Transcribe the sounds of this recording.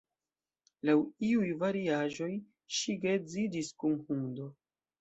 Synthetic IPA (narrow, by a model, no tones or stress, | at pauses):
lawiujvaɾiaʒo̞j | ʃiɡezidiskumhundo̞